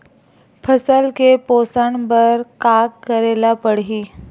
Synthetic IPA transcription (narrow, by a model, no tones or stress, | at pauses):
pʰəsəlkeposəɳbəɾkaɡkəɾelapəɽɦiː